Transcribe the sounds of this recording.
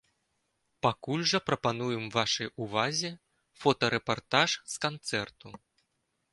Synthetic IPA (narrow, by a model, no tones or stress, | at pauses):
pakulʲʐɐpɾɐpanujɛmvaʂɐjuvazʲɛ | fɔt̪ɐɾɛpart̪aʂskant̪sɛrt̪u